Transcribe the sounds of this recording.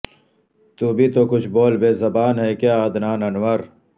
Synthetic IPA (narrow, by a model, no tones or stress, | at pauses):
t̪uːbʱit̪okʊt͡ʃʰboːlbeːzɐbaːnɦɛkjaːd̪naːnɐnwɐɾ